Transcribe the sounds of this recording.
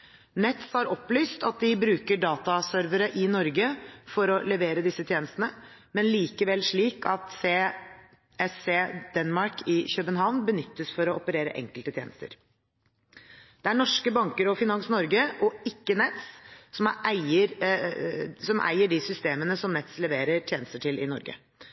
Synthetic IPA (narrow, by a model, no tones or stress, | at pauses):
nɛt̪shɑɾɔpːlyːst̪ɑt̪̚d̪ɪbɾʉːkəɖɑːt̪ɑsœɾʋəɾəʔɪnɔɾɡəfɔɾɔlɛʋeːɾəd̪ɪsːət̪ʰjeːnəst̪ənə | mɛnliːkəʋɛlʂɭiːkɑt̪seː | ɛseːd̪̥ɛnmɑɾkʰɪçœpənɦɑʋnbənʏt̪ːəsfɔɾɔɔpəɾeːɾə̰ʔɛ̰ŋkəlt̪ət̪ʰjḛːnəst̪ə̰ɾ | d̪̥ɛæɳɔʂkəbɑŋkəɾɔfɪnɑnsnɔɾɡəʔɔɪkːənɛt̪ssɔmʔæɪəɾ | sɔmʔæ̰ɪəɖɪsʏst̪eːmənəsɔmnɛt̪slɛʋeːɾəʈ̪ʰjeːnəst̪əʈʰɪlʔɪ̰nɔ̰ɾɡə̰